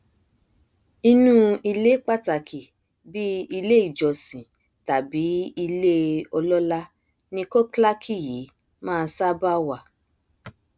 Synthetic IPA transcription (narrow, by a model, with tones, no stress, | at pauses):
i˧nũː˦i˧le˦k͡pa˦˨ta˨kʰi˨ | bi˦i˧le˦i˦˨d͡ʒɔ˨sĩ˨ | ta˨bi˨˦i˧le˦ɔ˧lɔ˦la˦ | nĩ˧ko˦kla˦kʰi˦˨ji˨˦ | mãː˦˧˦sa˦ba˦wa˦˨